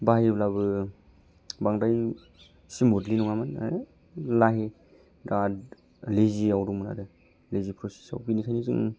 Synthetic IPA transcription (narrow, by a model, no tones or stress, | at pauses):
bajblabɯ | baŋdaj | simodlinuŋaman̰ | laɦe | dad | leziawdumɯna̰dɯ | lezipʰɾɔsi̥sa̰wbinikʰajnizɯŋ